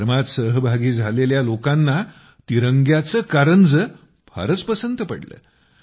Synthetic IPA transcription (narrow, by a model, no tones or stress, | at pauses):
ɾmat̪səɦəbʱaɡiːd͡zʱaleljalokanːa | t̪iɾəŋɡjat͡səkaɾənd͡zə | bʰʱa̰ɾət͡spəsənt̪əpəɽlə̰ː